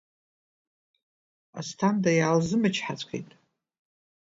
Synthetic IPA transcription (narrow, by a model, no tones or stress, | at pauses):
a̰stʰandajaːlzɨmɨt͡ʃʰħat͡sʷʼkʰḛjtʼ